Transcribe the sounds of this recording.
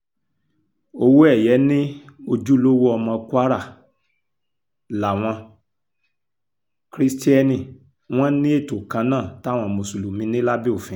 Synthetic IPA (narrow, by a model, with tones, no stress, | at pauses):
o˧wo˦ɛ˦˨jɛ˨˦nĩ˦o˧d͡ʒu˦lo˦wo˦ɔ˧mã˧kʷa˦ɾa˦˨ | la˨w̃ɔ̃˧ | kɾi˦sti˦ɛ˦˧nĩ˨ | w̃ɔ̃˦nĩ˦e˦˨to˨kã˧nãː˦˨ta˦˨w̃ɔ̃˧˨mo˧˨su˨lu˨mĩ˨˦nĩ˦la˦bi˦o˦˨fĩ˨˦